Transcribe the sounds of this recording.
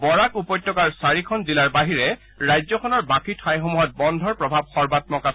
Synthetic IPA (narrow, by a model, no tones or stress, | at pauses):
bɔɹakupɔjtːɔkaɹsaɹikʰɔnzilaɹbaɦiɹɛ | ɹajzɔkʰɔnɔɹbakʰitʰajxomuɦɔt̚bɔndʱɔɹpɹɔbʱab̚xɔɹbat̚mɔka